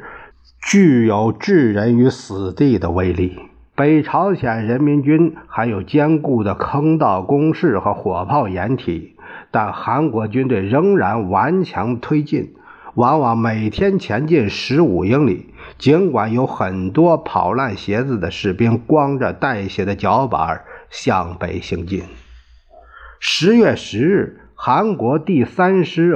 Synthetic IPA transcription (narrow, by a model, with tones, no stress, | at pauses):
t͡ɕy˥˩jo˧˥ʊʈ͡ʂɻ̩˥˩ɻə˧˥ny˧˥sɹ̩˨˩t̪i˥˩d̪ə˩we˧˥˩ɪli˥˩ | pe˧˥˩ɪʈ͡ʂʰɑ˧˥ʊɕjɛ˨˩nɻə˧˥nmi˧˥nt͡ɕy˥nxa˧˥ɪjo˨˩ʊt͡ɕjɛ˥nku˥˩d̪ə˩kʰɤ˥ŋt̪ɑ˥˩ʊkʊ˥ŋʂɻ̩˥˩xɤ˧˥xwɔ˨˩pʰɑ˥˩ʊjɛ˧˥nt̪ʰi˨˩˦ | t̪a˥˩nxa˧˥nkwɔ˧˥t͡ɕy˥nt̪we˥˩ɪɻɤ˧˥ŋɻa˧˥nwa˧˥nt͡ɕʰjɑ˧˥ŋt̪ʰwe˥ɪt͡ɕḭ˥˩n | wa˧˥nwɑ˨˧˩ŋme˨˩ɪt̪ʰjɛ˥nt͡ɕʰjɛ˧˥nt͡ɕi˥˩nʂɻ̩˧˥u˨˩ji˥ŋlḭ˨˩˦ | t͡ɕi˧˥nkwa˨˩njo˧˥ʊxə˨˩nt̪wɔ˥pʰɑ̰˨˩ʊla˥˩nɕjɛ˧˥d͡zɹ̩˨˩d̪ə˩ʂɻ̩˥˩pi˥nkwɑ˥ŋʈ͡ʂə˨˩t̪a˥˩ɪɕjɛ˧˥d̪ə˧t͡ɕjɑ˧˥ʊpa̰˧˥ɕjɑ˥˧ŋpe˨˩ɪɕi˧˥ŋt͡ɕi˥˩n | ʂɻ̩˧˥jɥɛ˥˩ʂɻ̩˧˥ɻ̩˥˩ | xa˧˥nkwɔ˧˥t̪i˥˩sa˥nʂɻ̩˧˥